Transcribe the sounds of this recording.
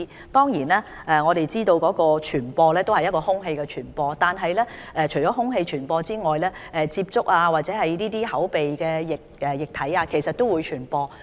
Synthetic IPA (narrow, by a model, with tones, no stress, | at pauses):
t̪ɔː˥ŋjiː˨˩naː˥ | ʔɛː˨˧ŋɔː˨˧ɾe˨jt͡siː˥t̪o˧wkɔː˨˥kɔː˧t͡ʃʰyː˨˩npɔː˧lɛː˥t̪o˥whɐ˨jɐ˥t̚kɔː˧hʊ˥ŋɦe˧jkɛ˧t͡ʃʰyː˨˩npɔː˧t̪aː˨nɦɐ˨jlɛː˥ʔɛ˨˧t͡ʃʰɵ˨˩ɥt͡ʃɔː˨˥ɦʊ˥ŋɦe˧jt͡ʃʰyː˨˩npɔː˧t͡siː˥ŋɔː˨jlɛː˥ʔɛː˨t͡siː˧p̚t͡sʊ˥k̚aː˧waː˨t̚t͡sɛ˨˥hɐ˨jniː˥t̪iː˥hɐ˨˥wpe˨jkɛː˧jɪ˨k̚ɛ˨jɪ˨˩k̚t̪ʰɐ˨˥jaː˧kʰe˨˩jsɐ˨t̚t̪o˥wuː˨˧jt͡ʃʰyː˨˩npɔː˧